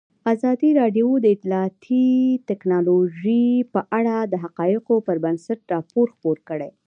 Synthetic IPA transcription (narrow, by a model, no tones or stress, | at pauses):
azɑd̪iɾɑɖjod̪əɪt̪lɑɑt̪ʰit̪ɛknɑloʒipəʔaɽad̪əɦaqɑjɪqopəɾbənsaʈɾɑpoɾxpoɾkəɽe